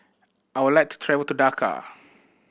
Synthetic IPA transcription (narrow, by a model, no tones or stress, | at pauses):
ʔajwudlajk̚tʰu̥tʰɹɛvəltudakʰa̰